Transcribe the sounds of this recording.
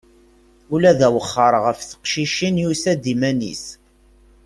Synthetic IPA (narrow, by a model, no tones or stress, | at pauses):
ulæðæwəχːəɾˤʁəfθə̥qʃiʃinjusæd̪imænḭs